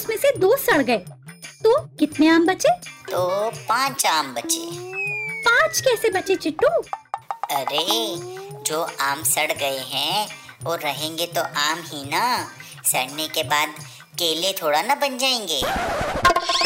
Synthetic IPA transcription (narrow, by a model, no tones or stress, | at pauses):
ʊsmẽsed̪oːsɐɽɡɐeːt̪oːkɪt̪neaːmbɐt͡ʃeːt̪oːpãːt͡ʃaːmbɐt͡ʃeːpãːt͡ʃkɛːsebɐt͡ʃet͡ʃɪʈːũː | ɐɾeː | d͡ʒoːʔaːmsɐɽɡɐeɦɛ̃oːɐɦẽːŋɡet̪oʔaːmɦina | sɐɽnekebaːd̪ | keːlet̪ʰoːɽanɐbɐnd͡ʒaːẽːŋɡeː